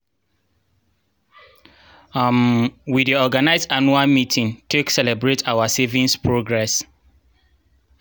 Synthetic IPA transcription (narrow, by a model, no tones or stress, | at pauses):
mwideɔɡanaɪzanualmitʰĩŋteksɛlɛbɹetʰawasevĩnspɹoɡɹɛs